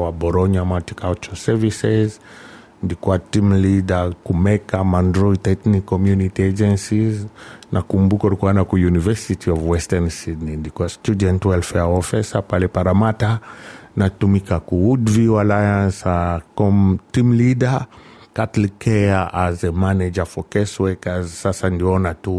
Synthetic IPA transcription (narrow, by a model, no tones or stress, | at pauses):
wabɔɾɔɲamati̥kalt͡ʃɔsɛvisɛz | nilikuatimlidakumɛkamandɾɔitɛknikːɔmjunitiad͡ʒɛnsiznʔakumbukaɔlikuanakujunivɛsitʰiɔvwɛstɛnsidninilikuastudɛntwɛlfɛɔfɛsapalɛpaɾamatanatumikakuudvialajansakɔmtimlidakatlikɛaʔazɛmanɛd͡ʒafɔkɛswɛkazsasandiɔnatu